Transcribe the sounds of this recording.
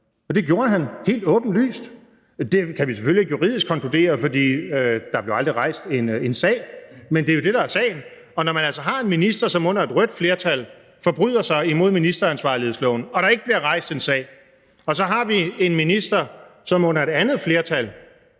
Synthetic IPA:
ɒ̽d̥e̝ɡ̥jo̝ːɐɦænhe̝̰ːld̥ɔ̽ːb̥n̩ly̰ːsd̥ | d̥e̝kʰæʋis̬eføljieɡjuʁiðˠisɡ̥kʰɒ̽ŋkʰlud̥e̝̰ːɐfɒ̽d̥ḭːød̥ɑ̈b̥le̝ʊɑ̈ld̥ʁiʁɑ̈ɪsd̥e̝nensɛ̰ːɪmend̥e̝æjo̝d̥e̝ɾɑ̈æɐsɛ̰ɪn̩ | ɒ̽nɒmænælsɐɦɑ̈e̝nminisd̥ɐsɒ̽mɔ̽n̰ɐe̝d̥ʁœd̥fle̝ɐt͡sʰæl | fɒ̽b̥ʁy̰ðˠɐsɑ̈ɪimo̝ð̞̰ˠminisd̥ɐænsʋɑ̰̈ːliheðˠslɔ̰ʊn̩ɒ̽ɾ̥ɑ̈e̝ɡ̥əb̥liɐʁɑ̈ɪ̰sd̥e̝nsɛ̰ːɪ | ɒ̽sɒ̽ɦɑ̈ʋie̝nminisd̥ɐsɒ̽mɔ̽n̰ɐe̝d̥ænð̩ˠfle̝ːɐt͡sʰæl

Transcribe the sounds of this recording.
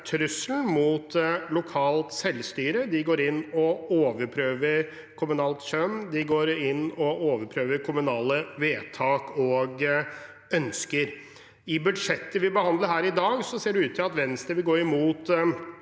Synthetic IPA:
t̪ʰɾʉsln̩mut̪lʊkʰɑːlt̪sɛlːst̪yːɾəd̪ɪɡoːɾɪnːɔoːʋəɾpʰɾøːʋəɾ | kʰʊmʉnɑːlt̪sœmːd̪ɪɡoːɾɪnːɔoːʋəɾpʰɾøːʋəɾkʰʊmʉnɑːləʋeːt̪ʰɑːkɔɡ | œnskəɾ | ɪbʉd̪ʂɛt̪ːəʋɪbəhɑnd̪ləɾhæːɾɪd̪ɑːɡsɔseːɖʉʉːt̪ʰːɪlɑt̪ʋɛnst̪əʋɪlɡoːɾɪmuːt̪

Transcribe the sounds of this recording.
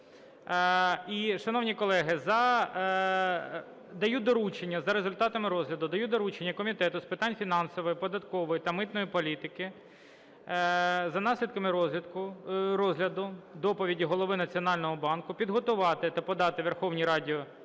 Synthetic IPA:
iʃɐnɔwnʲikɔlˠɛɦɪzɐ | d̪ɐjud̪ɔɾut͡ʃenʲːɐzɐɾezʊlʲt̪ɑt̪ɐmɪɾɔzɦlʲɐd̪ʊd̪ɐjud̪ɔɾut͡ʃenʲːɐkɔmʲit̪ɛt̪ʊspɪt̪ɑnʲfʲinɑnsɔʋɔjipɔd̪ɐt̪kɔʋɔjit̪ɐmɪt̪nɔjipɔlʲit̪ɪkɪ | zɐnɑsʲlʲid̪kɐmɪkʊɾɔzʲɦlʲɐd̪ʊd̪ɔpɔʋʲidʲiɦɔlˠɔʋɪnɐt͡sʲiɔnɑlʲnɔɦɔbɑnkʊpʲid̪ɦɔt̪ʊʋɑt̪ɪt̪ɐpɔd̪ɑt̪ɪʋerxɔwnʲiɾɑdʲiɔ

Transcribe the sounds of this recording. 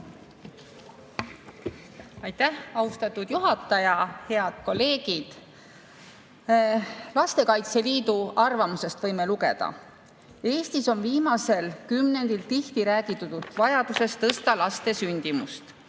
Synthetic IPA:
ɑjt̪ːæhɑust̪ɑt̪ːˑud̪̥juɦɑt̪ːˑɑjɑhe̞ɑd̪̥ko̞lːe̞ːɡ̥id̪̥ | lɑst̪e̞kɑjt̪se̞liːd̪uʔɑrvɑmuse̞st̪vɤjmeluɡe̞̰d̪̥ɑ̰ | e̞ːst̪iso̞nviːmɑse̞lkymne̞nd̪̥ilt̪iht̪iɾæːɡit̪ːˑut̪ːut̪vɑjɑd̪use̞st̪ɤst̪ɑlɑst̪e̞synʲd̪̥imust̪

